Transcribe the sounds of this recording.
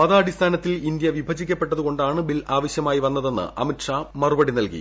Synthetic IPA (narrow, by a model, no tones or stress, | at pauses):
mɐðaːɐɽist̪ʰaːnɐt̪ːilind̪jɐʋibʱɐd͡ʑikʲːɐpːe̞ʈːɐðuko̞ɳɖaːɳɨbilaːʋɐɕjɐmaːjiʋɐnːɐðe̞nːɨ̰ʔɐ̰miʈʂaːmɐrubɐɽinɐlkḭ